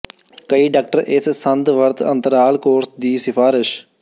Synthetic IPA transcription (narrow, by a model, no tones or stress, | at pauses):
kəiːɖaːk̚ʈəɾʔɪssənd̪ʋəɾt̪ə̰̃nt̪əɾaːlkoːɾsd̪iːsɪpʰaːɾɪʃ